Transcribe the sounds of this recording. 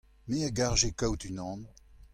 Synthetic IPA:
meaɡaʁʒekawt̪ynɑ̃ːn

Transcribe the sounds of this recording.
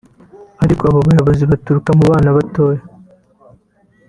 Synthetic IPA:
haɾikʼoaβoβajoβozibat̪uɾukamuβaːnaβat̪oːja

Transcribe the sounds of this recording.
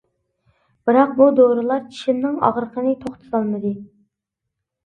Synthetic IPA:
b̥ɨɾɑq̚bud̪oɾɨlˠɑɾt͡ʃʰi̥ʃimnɪŋɑ̰ʁɾəqʰənɨt̪ʰoχt̪ʰɨ̥zɑlˠmɨd̪ɨ

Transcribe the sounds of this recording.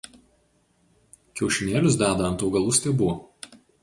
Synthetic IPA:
kʲɛʊʃʲɪnʲeːlʲʊsd̪æːd̪ɐɐnt̪ɐʊɡɐlˠʊsʲt̪ʲɛːbu

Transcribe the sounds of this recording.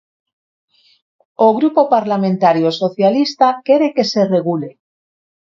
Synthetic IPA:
oɣɾupopaɾlamẽnt̪aɾjosoθjalist̪akeɾeke̞se̞re̞ɣ̞ule

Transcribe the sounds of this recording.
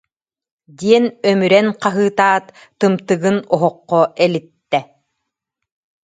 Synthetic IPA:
d̪iɛnœmyɾɛnqaɦɯːt̪aːt̪ː | ɯmt̪ɯɡɯnɔɦɔqːɔʔɛlit̪ːɛ

